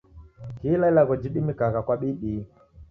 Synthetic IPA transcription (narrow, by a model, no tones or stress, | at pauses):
kilalaɣɔd͡ʒiɗimikaɣakwaɓiɗi